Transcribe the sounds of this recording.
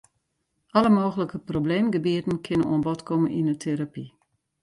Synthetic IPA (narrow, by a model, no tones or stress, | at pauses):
ʔɑləmoːɣələkəprobleːmɡəbiətn̩kʰɪnəno̰ənbɔtkʰɔmənʔinətʰeɾapi